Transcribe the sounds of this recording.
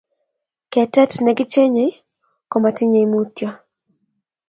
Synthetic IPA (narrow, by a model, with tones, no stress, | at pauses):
kɛ˨tɛ˦tnɛ˨ɡɪ˦t͡ʃe˦ɲe˨˦ | ko˨ma˨tɪ˦ɲe˨i˦mu˦tjɔ˦